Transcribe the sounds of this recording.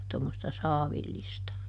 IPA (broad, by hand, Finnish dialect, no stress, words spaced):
tomːostɑ sɑːʋilːistɑ